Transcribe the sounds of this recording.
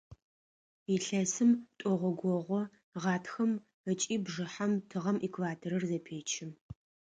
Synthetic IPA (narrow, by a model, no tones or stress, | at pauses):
iɬɐsɨmtʼɔʁʷɔɡʷɔʁʷɔ | ʁɑːtʰxɐm | ət͡ʃʼiːbʐɨħamtʰɨʁɐmʔikʰvaːtʰɐɾɐrzɐpʰeːt͡ʃʰɪm